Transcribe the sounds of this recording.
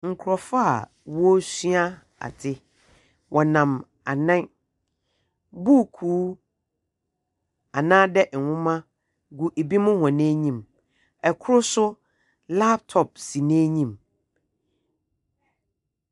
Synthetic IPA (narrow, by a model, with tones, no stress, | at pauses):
ŋ̩˨kʰʊ˨ɾɔ˨fa˦a˨ | wɔ˦sɥa˦ | a̰˨tʰɪ˦ | wʔɔ˨nã˨m | a˨nã˦ | bu˦˨kʰuː˨˦ | a˨nãː˦dɛ˦ʔwʊ̃˦mã˦ | ɡu˨ʔe˨bi˦mʊ̃˦hɔ̃˨nẽ˦ɲĩ˨m | ɛ˨kʰʊ˦ɾʊ˦sʊ˦ | la˦p̚tʰɔ˨p̚si˨nẽ˦ɲĩ˦˨m